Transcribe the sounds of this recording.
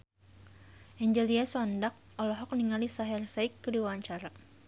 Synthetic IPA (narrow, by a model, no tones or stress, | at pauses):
ʔɛɲd͡ʒəliasɔndak̚ | ɔlɔɦɔk̚niŋalisaɦɛrsaikːədiwawaɲt͡ʃaɾa